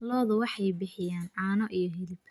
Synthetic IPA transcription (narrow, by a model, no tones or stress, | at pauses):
lɔːðʊwɑħɑjbɪħɪjaːnʕɑːnɔʔijɔɦɪlɪpʰ